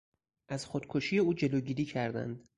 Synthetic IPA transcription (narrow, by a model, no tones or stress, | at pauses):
ʔæz̥xod̪̥kʰoʃiːje̞uːd͡ʒe̞loɟiːɾiːcʰæɾd̪æ̰nd̪̥